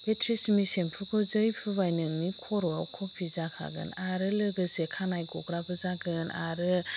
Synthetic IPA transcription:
b̥etʰɾismisenpʰukʰɔzɯjpʰɯbajnɯmikʰɔɾɔawkʰɔpʰizakʰa̰ɡɯ̰naɾɯlɯɡɯsekʰanajɡɔɡɾabɯzaɡɯna̰ɾɯ

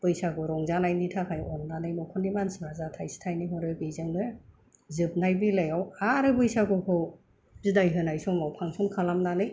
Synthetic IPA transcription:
b̥ɯjsaɡɔɾɔŋzanajnitʰakʰajɔnːanɯjmɔkʰɔnimansmazatʰajsi̥tʰajnihɔɾɯbizɯŋnɯ | zɯp̚najbilajawaɾɯbɯjsaɡɔkʰɯw | zidajɦɯnajsɔmawpʰaŋsɔŋkʰalamnanɯj

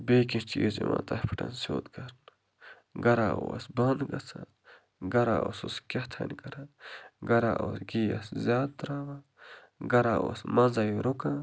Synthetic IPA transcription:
beːkit͡ʃʰiːzimã̰ːt̪ɐhpʰi̥ʈɐ̰nsoːt̪ɡɐɾn | ɡɐɾaːʔosbɐnd̪ɡɐt͡sãn | ɡɐɾaososkʲɐht̪ʰɐ̰nʲɡɐɾanɡɐɾaʔosɡijaszʲjaːd̪t̪ɾaːʋa | ɡɐɾaːosmɐzajiɾokãː

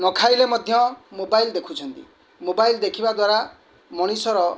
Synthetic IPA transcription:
nɔkʰajlemɔd̪ʱjɔmobaild̪ekʰut͡ʃʰɔnt̪ḭ | mobajld̪ekʰibad̪waɾa | mɔɽ̃isɔɾɔ

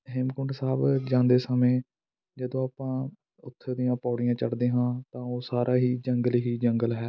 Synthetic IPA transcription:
ɦɪmkʊɳʈsaːbd͡ʒãːnd̪eːsəmẽː | d͡ʒəd̪õːaːpãː | ʊt̪ʰːd̪ijãːpaːɽɪjãːt͡ʃəɽd̪eːɦãːt̪ãːoːsaːɾʔaːɦiːd͡ʒəŋɡəlɦiːd͡ʒəŋɡəlɦɛː

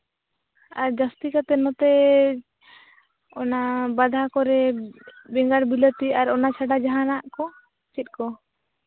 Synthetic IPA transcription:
aɾd͡ʒast̪ikat̪ɛnɔt̪ɛ | ɔnabad̪ʱakɔɾɛ | bɛŋɡaɽbilət̪iaɾɔnat͡ʃʰaɖad͡ʒaɦanaʔkɔ | t͡ʃit̪̚kɔ

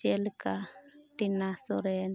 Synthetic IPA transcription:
elkaʈinasɔɾen

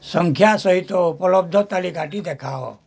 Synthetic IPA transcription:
sə̃ŋkʰjasəɦit̪opəlɔb̚d̪ʱɔt̪alikaʈid̪ekʰao̰

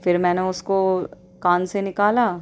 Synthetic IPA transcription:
fɪɾmɛ̃ːneʊsko | kaːnsenɪkaːlaː

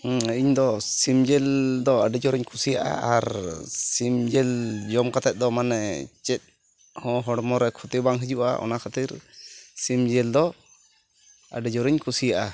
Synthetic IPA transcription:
iɲd̪ɔsimd͡ʒɛld̪ɔaɖɛd͡ʒɔɾiɲkʰusijaʔa̰aɾsimd͡ʒɛld͡ʒɔmkat̪ɛt̪̚ˀd̪ɔmanɛt͡ʃɛt̪̚ | hɔ̃ɦɔɽmɔɾɛkʰut̪ibaŋɦid͡ʒuʔa̰ʔɔ̰nakʰat̪iɾsimd͡ʒɛld̪ɔ | a̰ɖɛd͡ʒɔɾiɲkʰusijaʔa

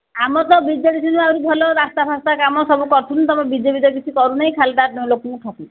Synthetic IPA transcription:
amɔt̪ɔbid͡ʒjɔɽid͡ʒʰinuawɾubʱɔlɔɾast̪abʱast̪akamɔsɔbukɔɾt̪ʰunt̪ɔmɔbid͡ʒebid̪ɔɡit͡ʃʰikɔɾunajkʰald̪aɾnulokunuʈ̪ʰɔku

